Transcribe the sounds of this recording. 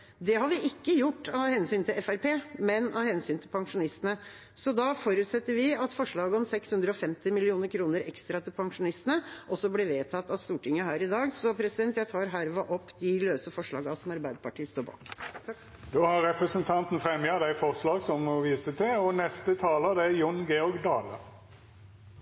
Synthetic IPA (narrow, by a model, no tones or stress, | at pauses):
d̪ɛhɑɾʋɪʔɪkːəjʊʈːɑʋhɛnsyːnt̪ʰɪlɛfæɾpʰeːmɛnɑ̰ʋhɛnsyːnt̪ʰɪlpʰɑŋʂʊnɪst̪ənə | sɔd̪ɑfɔɾʉːt̪sɛt̪ːəɾʋɪɑt̪fɔʂɭɑːɡəɔmsɛkshʉnd̪ɾəɔfɛmt̪ɪmɪlɪuːnəɾkʰɾuːnəɾɛkst̪ɾɑt̪ʰɪlpʰɑŋʂʊnɪst̪ənəʔɔsːɔblɪʋeːt̪ʰɑt̪ːɑʋst̪uːʈɪŋːəɦæːɾɪd̪ɑːɡsɔpʰɾɛsɪd̪ɛnt̪jæɪt̪ʰɑːɾɦæɾʋɑʔɔpːd̪ɪløːsəfɔʂɭɑ̰ːɡɑsɔmɑɾbæɪd̪əpʰɑʈiːst̪oːɾbɑ̰ːk | d̪oːhɑɾɾɛpɾəsənt̪ʰɑnt̪n̩fɾɛmjɑd̪æɪfɔʁslɑːɡsɔmɔʋiːsət̪ʰɪɔnɛst̪ət̪ʰɑːləd̪ɛjʊnɡeːɔɾɡd̪ɑːlə̰